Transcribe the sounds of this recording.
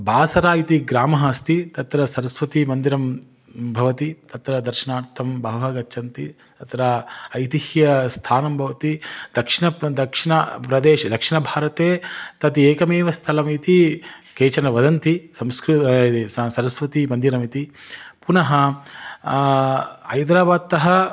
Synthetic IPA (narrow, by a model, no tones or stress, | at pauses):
baːsɐɾaːit̪iɡɾaːmɐɦɐɐst̪it̪ɐt̪ɾɐsɐɾɐsʋɐt̪imɐnd̪iɾɐm | bʱɐʋɐt̪it̪ɐt̪ɾɐd̪ɐɾʃɐnaːɾt̪ʰɐmbɐɦɐɦɐɡɐtːʃʰɐnt̪it̪ɐt̪ɾɐɐjt̪ihjɐst̪ʰaːnɐmbʱɐʋɐt̪id̪̥ɐkʂinɐd̪ɐkʂinɐpɾɐd̪eːʃɐd̪ɐkʂiɳɐbʱaːɾɐt̪eːt̪ɐt̪ieːkɐmeːʋɐst̪ʰɐlɐmit̪ikeːt͡ʃɐnɐʋɐd̪ɐnt̪isɐmskɾuissɐɾɐsʋɐt̪imɐnd̪iɾɐmit̪ipunɐɦɐ | ɐ̰jd̪ɾaːbaːd̪̚t̪ːɐɦɐ